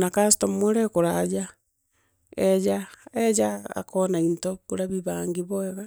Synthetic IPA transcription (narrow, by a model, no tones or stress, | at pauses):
nakastomweɾɛkoɾad͡ʒa | ɛd͡ʒaɛd͡ʒaa̰kɔnaintokoɾaβiβaːŋɡeβɔɛɣa